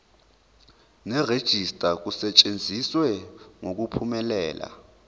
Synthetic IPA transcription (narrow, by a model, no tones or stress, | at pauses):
nɛred̥ʒ̥ʱistʼak̬usɛt͡ʃʼend͡zʱiswɛŋok̬upʰumɛlɛːla̰